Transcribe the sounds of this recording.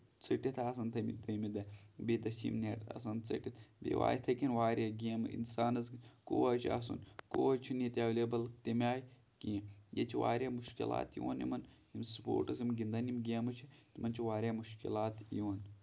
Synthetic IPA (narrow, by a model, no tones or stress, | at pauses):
t͡sʰɨʈit̪ʰaːsɐnt̪ʰɐmḭd̪ɨmid̪ɐbed̪ɐsḭmneːʈ̪ɐ̰sɐnt͡sɨ̰ʈit̪ʰbḛʋa̰ːit̪ʰɐkinʋaːɾʲjaɡʲeːmḭnsaːnɐzkoːɐt͡ʃʰia̰sṵnkoːɐt͡ʃʰinit̪ɐʋlebɐlt̪imʲaːj | kiːjet͡ʃʰiʋa̰ːɾʲjaːmuʃkila̰ːt̪jo̰ːnjḭmɐnhimspo̰ːɾʈɐzimɡʲind̪ɐnimɡʲeːmɐt͡ʃʰit̪imɐnt͡ʃʰiʋaːɾʲaːmuʃkilaːt̪joːn